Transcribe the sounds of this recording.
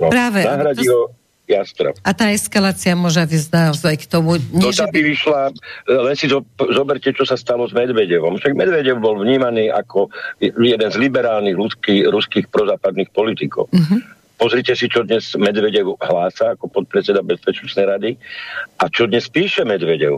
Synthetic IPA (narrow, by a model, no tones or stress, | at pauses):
nɔpɾaːʋɛnaaɦɾaɟiɦɔ | jast̪ɾa̰at̪aːɛskalaːt͡siamʊɔʒɛʋizd̪azɛkt̪ɔmuɲɔʒt̪abiʋiʃlalɛnsizɔzɔbɛɾcɛt͡ʃɔsast̪alɔzmɛd̪ʋɛɟɛʋɔmfʃaɡmɛd̪ʋɛɟɛʊbɔlvɲiːmaniːʔa̰kɔjɛd̪ɛnzlibɛɾaːlniɣlut͡skiɾuskiːxpɾɔzaːpad̪nixpɔlit̪ikɔ̰ʊ | pɔzɾicɛsit͡ʃɔd̪ɲɛzmɛd̪ʋɛɟɛʊɦlaːsaːkɔpɔt̪̚pɾɛt͡sɛd̪abɛspɛt͡ʃnɛt͡snɛjɾad̪iʔat͡ʃɔd̪ɲɛspiːʃɛmɛd̪ʋɛɟɛ̰ʊ